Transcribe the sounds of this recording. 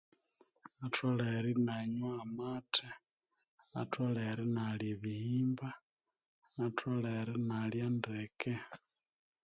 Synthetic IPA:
atʰoleɾinaɲwaːmatʰe | atʰoleɾinaljiβihiːmbaː | tʰwoleɾinaljandeke

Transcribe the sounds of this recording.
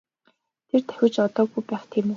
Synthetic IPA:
t̪ʰert̪ʰæ̥xʲɪ̆t͡ɕɔt̪ɔːɣujpæːχt̪ʰiːmɵ

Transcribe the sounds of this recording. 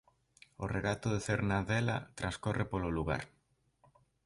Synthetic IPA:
oreɣat̪ʊðeθeɾnaðela̰t̪ɾaskorʔepololuɣa̰ɾ

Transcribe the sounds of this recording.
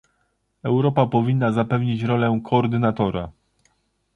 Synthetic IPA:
ɛwɾɔpapɔvʲinːazapɛvɲit͡ɕɾɔlɛkʰɔːɾd̪ɘnat̪ɔɾa̰

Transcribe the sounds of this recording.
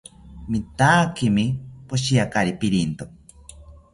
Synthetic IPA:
mit̪aːkimipoʃijakaɾipiɾint̪o

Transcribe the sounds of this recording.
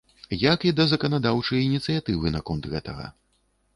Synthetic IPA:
jɐkid̪ɐzɐkɐnad̪awt͡ʂɐjinʲit̪sɨjat̪ɨvɨnakɔnt̪ɣɛt̪ɐ̰ɣɐ̰

